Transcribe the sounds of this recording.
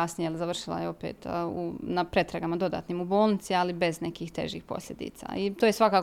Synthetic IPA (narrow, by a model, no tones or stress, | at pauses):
asnijejlzaʋr̩ʃilˠa̰jeo̞pḛːt̪ṵnapɾe̞t̪ɾaɡamad̪o̞d̪a̰ːt̪niːmubo̞ːlˠnit̪sialibe̞znekiːxt̪ḛʒḭxpo̞̰sʲʎʲe̞d̪ḭːt̪sa̰it̪ojesʋakaː